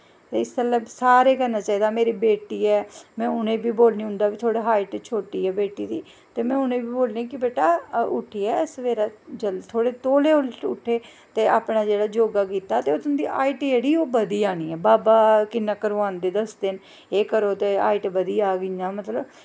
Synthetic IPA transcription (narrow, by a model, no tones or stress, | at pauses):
t̪eːɪsk̪ələbsaːɾeːkəɾnaːt͡ʃaːiːd̪aːmeːɾiːbeːʈiːɛːmɛ̃ːʊnẽːbiːboːlnĩːɦʊ̃nd̪aːʋiːt̪ʰoːɽeːɦaːɪʈt͡ʃʰoːʈiːɛːbeːʈiːd̪iː | t̪eːmɛ̃ːʊnẽːbiːboːlẽːkɪbeːʈaːʊ̰ʈʰːiːɛːɪsʋeːɾaːd͡ʒəlt̪ʰoːɽeːt̪oːleːʊʊ̰ʈʰːeː | t̪eːa̰ːpnaːd͡ʒeːɽaːd͡ʒoːɡaːkiːt̪aːt̪eːot̪ʰʊnd̪iːʔa̰ːiʈieːɽiːoːbəd̪iːaːniːɛːbaːbaːkɪnːaːkəɾõːãːnd̪eːd̪əsd̪ɪn | eːkəɾoːt̪eːa̰ːɪʈbəd̪iːaːɡɪɲaːmət̪ləb